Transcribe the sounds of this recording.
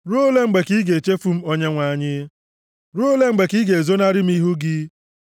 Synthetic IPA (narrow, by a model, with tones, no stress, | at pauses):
ɾo˦le˦ŋ͡m̩˦ɡ͡be˨ki˦ɡe˨e˨t͡ʃe˦fu˦m̩˦o˦ɲe˦ŋʷa˨ɲɪ˦ | ɾo˦le˦ŋ͡m̩˦ɡ͡be˨ki˦ɡe˨e˨zo˦na˦ɾɪ˦m̩˦i˦ɦu˦ɡɪ˦